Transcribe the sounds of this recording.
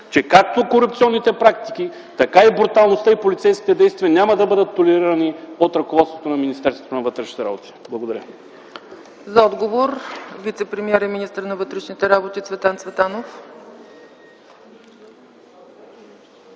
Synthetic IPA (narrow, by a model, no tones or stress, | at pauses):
t͡ʃɛkak̚t̪okoɾupt̪iɔnːit̪ɛpɾakt̪i̥k̟i | t̪ɐkaibɾut̪alˠnost̪aipolit̪sɛjsk̟ʲi̥t̪ɛd̪ɛjst̪viɐnʲamɐd̪ɐbɤd̪ət̪ːolɛɾiɾɐniot̪ɾɐkovɔt̪st̪vot̪onɐminist̪ɛɾst̪və̥t̪onɐvɤt̪ɾɛʃnit̪ɛɾa̰bot̪i̥blˠɐɡod̪ɐɾʲə̰ | zɐɔd̪ɡovoɾvit̪sɛpɾɛmiɛɾɛminist̪əɾnɐvɤt̪ɾɛʃnit̪ɛɾabot̪isvɛt̪ˠant̪svɛt̪anof